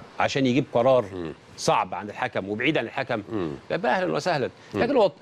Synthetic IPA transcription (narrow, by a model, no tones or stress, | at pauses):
ʕaʃæːnjeɡiːb̚qɑɾˤɑːɾˤ | sˤɑʕbʕanelħakæmwebʕiːd̪ʕanelħakæmlʔæbːæʔæhlænwæ̰sæhlæn | læːkenwɑt̪ˤ